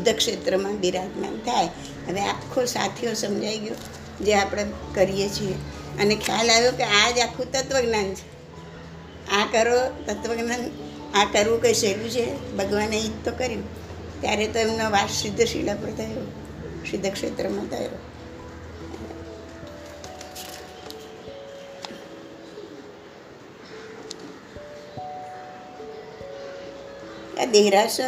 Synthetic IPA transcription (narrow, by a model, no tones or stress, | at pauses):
sd̪ʱːəkʃet̪ɾəmãbiɾad̪na̰nt̪ʰaj | ɦəʋeapkʰosa̰t̪ʰiosəmd͡ʒaiɡjo | d͡ʒeapɽ̃ekəɾijet͡ʃʰie | ənekʰja̰laʋjokead͡ʒakʰːũt̪ət̪ʋəɡnant͡ʃʰe̥ | akəɾot̪ət̪ʋəɡnan | akəɾʋũkəiʃəkjũt͡ʃʰebəɡʋaneit̪t̪ːokəɾjũ | t̪jaɾet̪əmnoʋassɪd̪ʱːəʃḭɭapəɾt̪ʰəjo | sɪd̪ʱːəkʂet̪ɾəmãt̪ʰə̰jɾo | a̰d̪eɦɾas